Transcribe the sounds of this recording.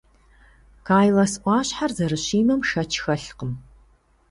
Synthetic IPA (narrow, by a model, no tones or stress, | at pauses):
kʰaːjlɐsʔʷɑːɕħarzɐrɨɕiːmɐmʃɐt͡ʃʰxɐɬqəm